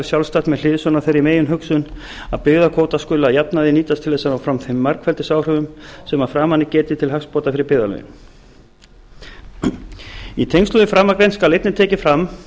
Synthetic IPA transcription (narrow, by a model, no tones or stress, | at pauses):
ɾsjawlst̪aht̪mɛðl̥ɪːðsœnaθejɾɪmeːjʏnɦʏksʏn | aðpɪɣðakʰoːwt̪askʏːlaðjapnaðɪniːt̪ast̪ʰɪlθɛsːanawfɾamθɪmːaɾkfɛlt̪ɪsaːwr̥ʏvʏmsɛmaðfɾaːmanːɪcɛːt̪ɪt̪ʰɪlhakspɔːt̪afɪɾɪɾpɪɣðalœ̰jɪ̰n | it̪ʰejŋkst̪lʏðɪfɾaːmːakɾejnskalejt̪nɪt̪ʰɛːcɪfɾamː